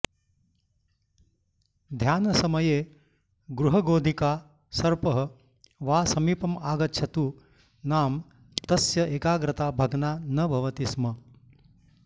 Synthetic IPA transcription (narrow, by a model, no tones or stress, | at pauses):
d̪ʱjaːnɐsɐmɐjeː | ɡɾuɦɐɡoːd̪ʱikaː | sɐɾpɐɦɐ | ʋaːsɐmiːpɐmaːɡɐtːʃʰɐt̪uː | naːm | t̪ɐsjɐʔeːkaːɡɾɐt̪aːbʱɐɡnaːnɐbʱɐʋɐt̪ismɐ